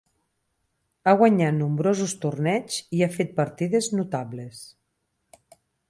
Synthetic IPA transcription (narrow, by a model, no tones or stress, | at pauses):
aɣwaɲat̪numbɾozust̪urnɛd͡ʒiafet̪̚pəɾt̪iðeznut̪aβles